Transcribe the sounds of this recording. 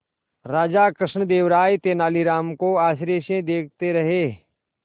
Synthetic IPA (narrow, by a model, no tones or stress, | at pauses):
ɾaːd͡ʒakɾɪʃɳəd̪eːʋɾaːjt̪eːnaːliɾaːmkoaːʃ̬ɾeːʃẽd̪eːkʰt̪eɾɐɦeː